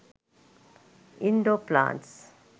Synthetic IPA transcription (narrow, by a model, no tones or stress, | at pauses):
ĩnɖoːplã̰ːnʈs